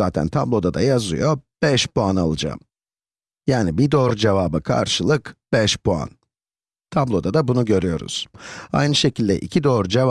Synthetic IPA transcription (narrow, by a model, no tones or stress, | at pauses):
aːt̪ʰæ̰nt̪ʰablˠo̞d̪ad̪a̰jazɯ̰jo̞b̥ɛʃpuana̰lˠɯd͡ʒa̰m | jaːnibid̪oːɾd͡ʒevaːbɯkʰa̰ɾʃɯlˠɯkb̥ɛʃpʰua̰n | t̪ʰablˠo̞d̪ad̪abunuɟø̞ɾyjo̞̰ɾṵz̥a̰jnɯʃe̞cʰilʲd̪ɛ̰ʔḭcʰid̪o̞ːɾud͡ʒeva